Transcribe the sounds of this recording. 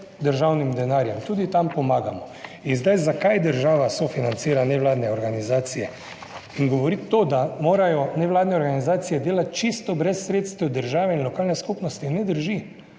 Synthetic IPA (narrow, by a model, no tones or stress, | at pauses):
d̪əɾʒawnimd̪ɛnaːɾjɛmt̪uːd̪it̪ampɔmaːɡamɔ | inzd̪ajzakajd̪əɾʒaːʋasofinant̪siːɾanɛʋlaːd̪nɛɔɾɡanizaːt̪sijɛ | iŋɡɔʋɔɾit̪ːod̪amoːɾajɔnɛʋlaːd̪nɛɔɾɡanizaːt̪sijɛd̪eːlat̪̚t͡ʃist̪ɔbɾɛsːɾeːt̪st̪ʋɛwd̪əɾʒaːʋɛinlɔkaːlnɛskupnɔst̪inɛd̪əɾʒi